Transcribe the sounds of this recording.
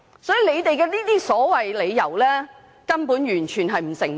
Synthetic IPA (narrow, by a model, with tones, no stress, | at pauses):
sɔː˨˥iː˨le˨˧jt̪e˨jkɛː˧liː˥t̪iː˥sɔː˨˥wɐ˨jle˨˧jːɐ˨˩wlɛː˥ | kɐ˥npuː˨˥njyː˨˩nt͡ʃʰyː˨˩nɦɐ˨jm̩˨˩sɪ˨˩ŋ